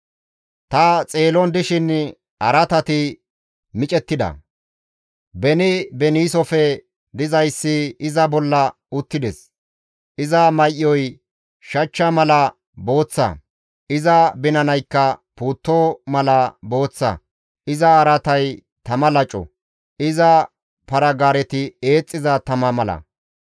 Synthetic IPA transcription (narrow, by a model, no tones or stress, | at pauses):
t̪ɐt͡sʼe̞ːlɔnd̪ɪʃɪn | ɐɾɐt̪ɐt̪ɪ | mɪt͡ʃʼɛt̪ːɪd̪ɐ̰ | bɛnɪbɛniːsɔfɛ | d̪ɪzɐjsːɪɪzɐbɔlːɐ | ʊt̪ːɪd̪ɛs | ʔɪzɐmɐjʔɪɔj | ʃɐt͡ʃːɐmɐlɐ | bo̞ːt͡sːɐ̰ | ʔɪzɐbɪnɐnɐjkːɐpuːt̪ːoːmɐlɐbo̞ːt͡sːɐ̰ | ʔɪzɐːɾɐt̪ɐj | t̪ɐmɐlɐt͡ʃʼɔ̰ | ɪzɐ | pɐɾɐɡaːɾɛt̪ɪe̞ːt͡sʼːɪzɐt̪ɐmɐmɐlɐ̰